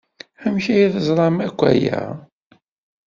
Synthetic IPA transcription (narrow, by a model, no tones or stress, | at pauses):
æmçæjiθəzˤɾˤɑmækʷːæ̰jæ̰